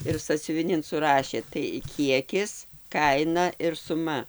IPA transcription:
ɪr sɑːsʲʊʋʲɪˈnʲɪn sʊˈrɑːʃʲeː tɐɪ ˈkʲiɛkʲɪs ˈkɐɪnɐ ɪr sʊˈmɐ

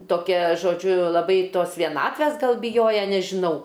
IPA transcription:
toːˈkʲɛ ʒoːˈd͡ʒʲʊ lˠɐˈbɐɪ ˈtoːs ʋʲiɛˈnɑːtʲʋʲæs ˈɡɐlˠ bʲɪˈjoːjɛ nʲɛʒʲɪˈnɐʊ

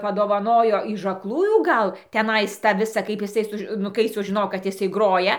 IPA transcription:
pɐdoːʋɐˈnoːjoː ɪʃ ɐklˠˈuːjuː ˈɡɐlˠ tʲɛˈnɐɪs tɑː ˈʋʲɪsɑː kɐɪp jɪˈsɐɪ ˈsʊʃ nʊ ˈkɐɪ sʊʒʲɪˈnoːjoː kɐt ˈjɪsɐɪ ˈɡroːjɛ

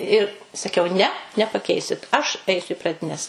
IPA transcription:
ɪr sɐˈkʲɛʊ nʲɛ nʲɛpɐˈkʲɛɪsʲɪt ɐʃ ˈɐɪsʲʊ ɪ prɐdʲɪˈnʲɛs

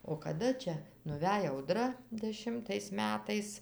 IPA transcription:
oː kɐˈdɐ ˈt͡ʃʲɛ nʊˈʋʲɛj ɐʊˈdrɐ dʲɛˈʃʲɪmtɐɪs ˈmʲæːtɐɪs

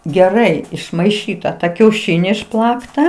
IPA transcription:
ɡʲɛˈrɐɪ ɪʃmɐɪˈʃʲiːtɐ tɐ kʲɛʊˈʃʲɪnʲɪ ɪʃˈplˠɑːktɐ

